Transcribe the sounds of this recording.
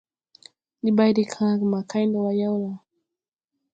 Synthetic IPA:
li˨ba˦jɾi˨kʰã˦˨kma˨kʰa˦jndɔ˨wa˦ja˦wa˨

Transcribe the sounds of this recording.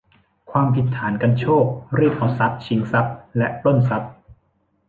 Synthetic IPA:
kʰwaː˧mpʰi˨˦t̪ʰːaː˩˦nka˧nt͡ɕʰoː˥˩k̚ɾi˥˩k̚ʔɔː˨˩sa˦˥p̚t͡ɕʰi˨˩˦ŋsa˦˥p̚lɛ˦˥ʔt̪o˥˩nsa˦˥p̚

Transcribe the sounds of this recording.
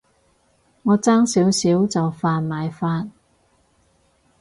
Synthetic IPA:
ŋɔː˨˧t͡saː˥ŋsiː˨˥wsiː˨˥wt͡sɐ˨wfaː˧nmaː˨˧jfaː˥n

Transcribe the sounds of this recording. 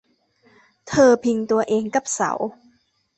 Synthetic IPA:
t̪ʰɤː˧pʰi˧ŋt̪u˧ɐʔeː˧ŋka˨˩p̚sa̰˨˩˦w

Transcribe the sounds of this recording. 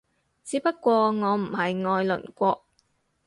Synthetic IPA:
t͡siː˨˧˥pɐ˥tkːʷɔː˧ŋɔː˨˧m̩˨˩hɐ˨jŋɔː˧jlɵ̰˨˩nkʷɔː˧k̚

